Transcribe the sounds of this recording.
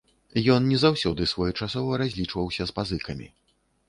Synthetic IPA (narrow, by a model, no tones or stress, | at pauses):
jɔnnʲɛzawsʲɔd̪ɨsvɔjɛt͡ʂasɔvɐɾazʲlʲit͡ʂvɐwsʲɐspazɨkɐmʲḭ